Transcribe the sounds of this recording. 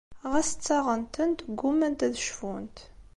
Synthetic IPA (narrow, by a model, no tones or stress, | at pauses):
ʁæsə̥t͡sːɑʁənt̪ənt̪ɡʷːumænt̪æðəʃfunt̪